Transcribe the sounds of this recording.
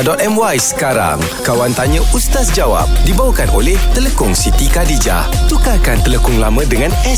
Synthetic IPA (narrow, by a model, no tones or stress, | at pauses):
dɔt̪ɛmwajsə̥kaɾa̰ŋ | kawant̪aɲə̃ʔust̪asd͡ʒawa̰p̚dibawəkanolɛht̪ələkʊŋsit̪ikadid͡ʒa̰ | t̪ukakant̪ələkʊŋlamə̃dəŋãnɛ